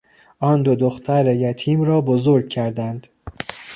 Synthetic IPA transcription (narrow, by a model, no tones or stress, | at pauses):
ʔɒːnd̪od̪oxt̪ʰæɾejæt̪ʰiːmɾɒːbozoɾɡ̚cʰæɾd̪ænd̪̥